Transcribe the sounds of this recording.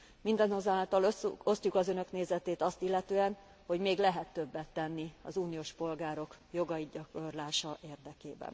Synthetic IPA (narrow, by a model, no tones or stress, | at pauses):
mind̪ɛnozaːlt̪ɒlo̞st̪jukɒzø̞nø̞kneːzɛt̪eːt̪ɒst̪ilːɛt̪øːɛn | ho̞ɟmeːɡlɛɦɛt̪ːø̞bːɛt̪ːɛnːiɒ̰zuːnijoːʃpo̞lɡaːɾo̞kjo̞ɡɒiɟɒkorlaːʃɒʔeːrd̪ɛkeːbɛ̰n